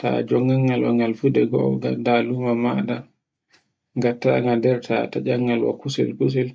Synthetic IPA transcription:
ta̰d͡ʒɔŋːaŋːalwa̰ŋalfudɛɡɔ̰ɡadalumamada | ŋɡatːa̰ŋɡadɛɾtʰa̰tad͡ʒaŋːalwa̰kusɛ̰lkus̬ɛl

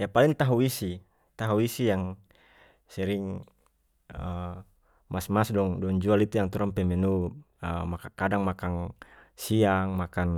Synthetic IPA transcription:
japaliŋt̪aɦuisi | t̪aɦuisijaŋ | sɛɾiŋ | ə | masmasdɔŋdɔŋd͡ʒualit̪ujaŋt̪uɾampɛmɛnu | əmakakadaŋmakaŋsiaŋmakan

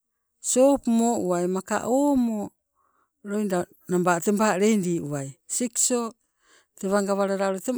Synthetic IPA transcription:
sopmoʔuajmaka̰ʔoːmo | ɾojnda | nambatembaɾejndiːuajsikso | teβaŋɡaβaɾaɾaɾote

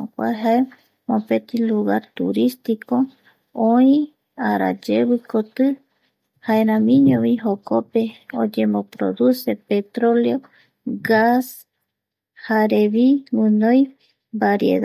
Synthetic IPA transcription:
okʷa̰ɦae | mõpet̪iluɣaɾt̪ṵɾist̪iko | õĩ | aɾa̰d͡ʒeβɨkot̪ɨ | haeɾãmĩɲõβiɦokopeod͡ʒẽmbopɾo̰ðusepet̪ɾoleo | ɡas | haɾeβiwɨ̃nõj | baɾiḛða

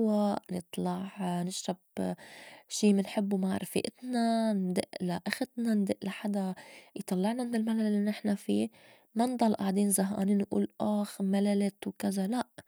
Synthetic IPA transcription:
waʔnɨt̪ˤlɑʕnɪʃːab | ʃiːmɪnħɪbːumaʕɾˤfḭʔɪt̪nand̪ɪʔlaʔaxɪt̪nand̪ɪʔlaħad̪ajt̪ˤɑlːɑʕnamɪnɪlmalalːinɪħnafiː | mand̪ˤɑlʔaʕd̪eːnzaɦa̰ːniːnːʔṵːlʔaːxmalalɪt̪wkazalaʔ

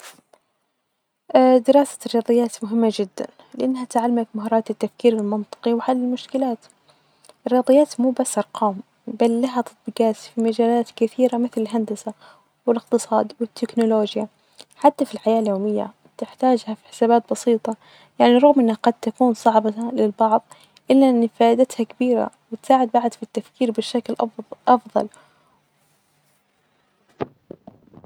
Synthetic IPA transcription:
ʔd̪ɪɾɑːsḁrɪjɑːd̪ˤɨjːaːt̪mʊɦɪmːad͡ʒɪd̪ːa̰n | lɪʔanːɦat̪ʕalːamat̪maɦɑːɾˤɑːt̪ɪt̪ːafkiːɾɪlmɪnt̪ˤɨ̥qiwɪħalːɪlmʊʃkɪlaːt̪ | ʔɪrjɑːd̪ˤɨjːaːt̪muːbasːʔɑɾˤqʰɑːm | balːaɦat̪ɑ̥t̪̚ˤbɪɡaːsfimad͡ʒaːlaːt̪kɪθiːɾamɪθlɪlɦand̪asa | wɪlɪqt̪ɨsˤɑ̰ːd̪wɪt̪ʰːɪknʊloːd͡ʒja | ħat̪ːafilħajaːʔljoːmɪjːa̰ | t̪ɪħt̪aːd͡ʒhafi̥ħɪ̥saːbaːt̪̚bɑsiːt̪ˤɑ | jaʕniɾˤɑɣmʔɪnːhaɡɑd̪̚t̪akuːnsˤɑʕbɑlɪlbɑʕðˤ | ʔɪlːaʔɪnːifaːʔɪd̪at̪hakabiːɾa̰ | wɪt̪saːʕɪd̪̚baʕd̪fit̪ːafkiːɾbɪʃːaklʔʔɑfðˤɑ̰l

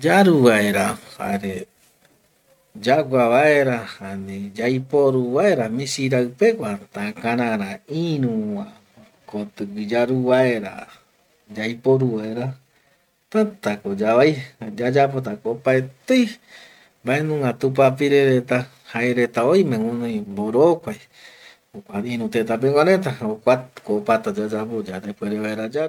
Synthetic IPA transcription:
d͡ʒaɾuβaeɾaha̰ɾe | d͡ʒaɡʷaβaeɾahanĩd͡ʒajpoɾuβaeɾamĩsiɾawpekʷat̪ãkãɾãɾãĩɾũwã | kot̪ɨɡɨd͡ʒaɾuβaeɾa̰ | d͡ʒajpoɾuβaeɾa | t̪at̪akod͡ʒaβajd͡ʒad͡ʒap̬ot̪̬akopaet̪ej | mbaenũŋɡat̪up̬apiɾeɾet̪a | haeɾet̪aoimẽŋũnõjmboɾokʷaj | okʷaĩɾũt̪et̪ap̬eŋʷãɾet̪̬aokʷakopat̪ad͡ʒad͡ʒapod͡ʒaɾepeɾeβaeɾad͡ʒa

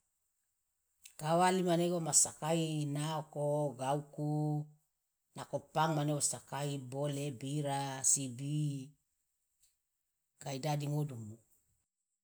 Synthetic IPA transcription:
kawalimaneɡomasakainaokoɡauku | nakopaŋmaneɡosakaibolebiɾasibi | kaidadiŋodumu

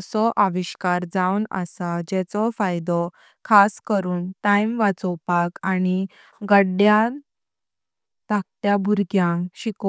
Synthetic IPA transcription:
sɔʔaʋiɕkaɾd͡zawnə̰sad͡ʑɛt͡sɔfajd̪ɔ | kʰaskəɾuːnʈajmʋat͡sɔwpakañi | ɡəɽːja | t̪ak̚t̪jabʱuɾɡjãŋɕiko

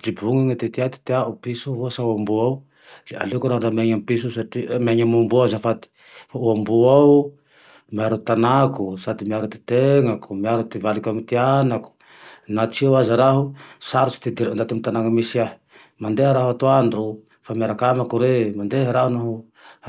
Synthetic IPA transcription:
d͡ʒibuŋaŋat̪et̪iat̪i̥t̪iaupisuɦuasauambuaw | lea̰lekuɾaɦunameɲampis̬usaʈ͡ʂimaɲamumbuazafat̪i̥ | fauambuaw | miaɾut̪anakusad̪imiaɾut̪e̥t̪eŋakumiaɾut̪ivalikamit̪ianaku̥ | nat͡siawazaɾaɦusaɾusi̥t̪id̪iɾand̪at̪imit̪anaŋamisiaɦ | mand̪eɦaɾaɦuat̪uaɳɖ͡ʐu | famiaɾakamakuɾemand̪eɦaɾaɦunaɦu

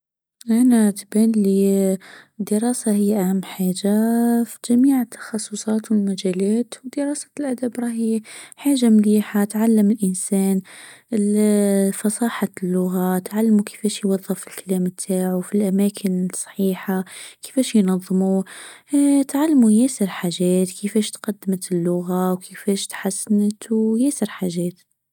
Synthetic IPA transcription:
ʔanat̪baːnli | d̪ɪɾɑːsaɦɪjːʔahamːħaːd͡ʒafid͡ʒamiːʕɪt̪ʰːɑ̥xɑsˤːʊsˤɑːt̪wɪlmad͡ʒaːlaːt̪wd̪ɪɾˤɑːsḁlʔad̪abɾˤɑːiħaːʒːamliːħat̪ʕalːamɪlʔɪnseːnlfɑsˤɑːħalːʊɣat̪ʕalːmukɪ̥feːʃjwɑðˤːɨfɪlkaleːmt̪ʰːaːʕufilʔamaːkʰɪnsˤɑ̥ħiːħakɪ̥feːʃjnɑðˤːmu | t̪ʕalːmujeːsɪɾħaːʒeːt̪kʰifeːʃt̪qad̪ːmat̪ɪlːʊɣawkʰifeːʃt̪ħasːnat̪wjeːsɪɾħaːʒeːt̪

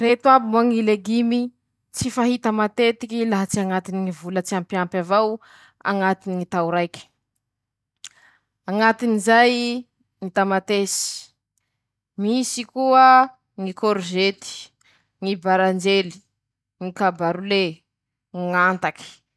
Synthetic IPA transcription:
ret̪wabimaŋileɡimi | t͡sifaɦit̪əmat̪et̪ikilaɦat͡siaŋat̪iniŋivulət͡siampjampjavaw | a̰ŋat̪iniŋit̪awuɾajkʲi̥ | aŋat̪inizaj | ŋit̪amat̪esi̥ | misikuə | ŋikoɾzet̪i̥ | ŋibaɾand͡ʒeli̥ | ŋikabaɾule | ŋant̪aki̥

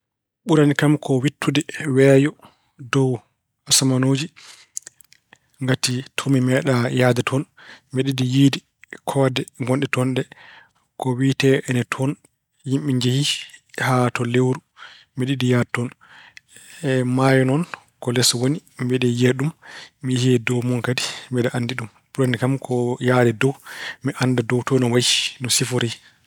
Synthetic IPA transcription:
ɓuɾanikamkʰɔwitʰːudɛwɛːjɔ | dɔw | asamanoːd͡ʒi | ŋɡatitʰumimɛɗajadɛtʰɔnmeɗidijidi | kʰɔdɛŋɡɔnɗɛtɔnɗɛ | kɔwiːtɛʔɛnɛtʰɔn | jimɓiɲd͡ʒehihatɔlewɾu | meɗidijadtɔn | ɛmajɔnɔn | kɔlɛswonimbɛɗɛjeɗummijihiɛdɔwmɔŋkadimbɛɗɛʔandiɗum | puɾonikamkʰɔjadɛdɔwmiʔandadɔwtɔnɔwaji̥nɔsifɔɾi

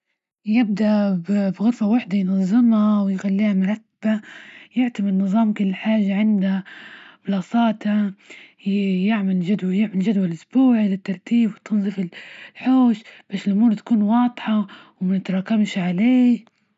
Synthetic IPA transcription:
jɪb̚d̪aʔbbɣʊɾfawaħd̪ajnɑzˤːɨmhawɪjxalːiːhamʊɾˤɑt̪ː | bajɪʕt̪amɪdnɨzˤɑːmkʊlːħaːʒːaʕɪnd̪abɪlɑːsˤɑːt̪a | jɪʕmald͡ʒad̪wjɪʕmalʒad̪walʔʊsb̥uːʕlɪt̪ːɑɾˤt̪iːbwɪt̪ʰɨnzˤɨfɪllħoːʃb̥aːʃɪlʔʊmuːɾt̪ḁkuːnwɑːd̪ˤħɑ | wmɪnɪt̪ɾˤɑːkamʃʕaleː

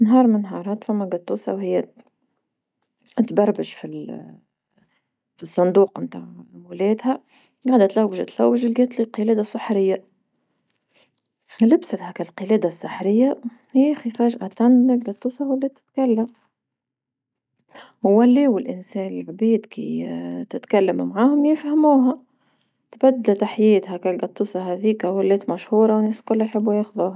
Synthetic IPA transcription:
nɦɑːɾˤmɪnːɦɑːɾˤɑːt̪fæmːæɡɑt̪ˤːuːsɑ̰whɪjːæ | t̪bɑrˤbɪʃfil | fisˤːʊnd̪uːqmt̪aːʕwɪlɛːd̪hæ | ɡɑʕd̪æt̪læwːɪʃt̪læwːɪʒɪlɡæt̪liqɨlɛːd̪asˤːɨħɾɪjːa | lɪbsat̪hækælqɨlɛːd̪asˤːɨħɾɪjːa | hjæxifæːʒʔat̪andɪlɡɑt̪ˤːuːsɑwalːɛːt̪ːɪ̥t̪kalːam | wælːiːwɪlʔɪnsɛːnɪlʕbiːd̪kḭt̪ɪt̪kalːamːʕaːhʊmjɪfhæmuːɦæ | t̪bæd̪ːalt̪aħjɛːt̪hækælɡɑt̪ˤːuːsɑɦæːðiːkæwælːɛːt̪mæʃhuːɾˤɑwnɛːskʊlːajħɪbːujɑxðuːɦa

